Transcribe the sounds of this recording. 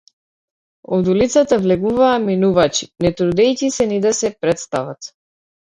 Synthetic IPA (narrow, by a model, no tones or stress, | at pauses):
ɔd̪ulit̪sat̪avlɛɡuvaːminuvat͡ʃi̥nɛt̪ɾud̪ɛjcisɛnid̪asɛpɾɛt̪st̪ava̰t̪